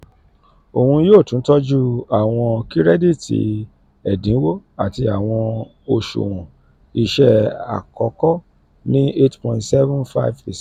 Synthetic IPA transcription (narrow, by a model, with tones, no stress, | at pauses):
o˨hũ˧˦joː˦˨tũ˨˦tɔ˦d͡ʒu˦a˨w̃ɔ̃˧ki˦ɾɛ˦di˦˨tʰḭ˧ | ɛ˨dĩ˨˦wo˦a˨ti˧a˨w̃ɔ̃˧ | o˨ʃṵ˨wɔ̃˨ | i˨ʃɛ˦a̰˨kɔ˧˦kɔ˦ | nĩ˦e˦tpɔ̃˧˨ĩ˦ntsɛ˦vũ˦nfa˦ve˨s